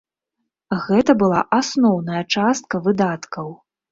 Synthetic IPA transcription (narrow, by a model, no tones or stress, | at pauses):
ɣɛt̪ɐbɨlˠa̰ʔasnɔwnɐjɐt͡ʂast̪̚kɐvɨd̪at̪kɐw